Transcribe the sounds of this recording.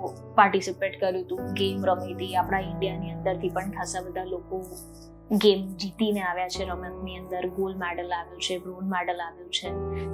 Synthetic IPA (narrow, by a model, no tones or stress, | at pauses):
paɾʈisipeʈkəɾjũt̪ũɡemɾəmit̪iapɽ̃aɪɳɖijaniənd̪əɾt̪ʰipəɳkʰasabəd̪ʱaloko | ɡemd͡ʒit̪ineaʋjat͡ʃʰeɾəmə̃kniənd̪əɾɡolmɛɖəlaʋjũt͡ʃʰebɾonmɛɖəlaʋjũt͡ʃʰe